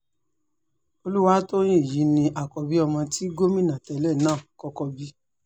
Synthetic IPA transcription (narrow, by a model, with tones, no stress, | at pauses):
o˧lu˦wa˨˦to˦j̃ĩ˦˨ji˨˦nĩ˧ʔa˨kɔ˨bi˨˦ɔ˧mɔ̃˧ti˦ɡo˦mĩ˦˨nã˨tɛ˨˦lɛ˦˨nãː˦˨kɔ˧kɔ˧bi˦